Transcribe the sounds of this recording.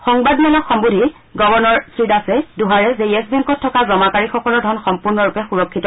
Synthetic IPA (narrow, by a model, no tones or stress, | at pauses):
xɔŋbadmanɔxɔmbudʱi | ɡɔbɔɹnɔɹsɹidasɛduɦaɹɛzejɛsbɛŋkɔtʰːɔkazɔmakaɹixɔkɔlɔɹdʱɔnxɔmpuɹnɔɹupɛxuɹɔkʰːitɔ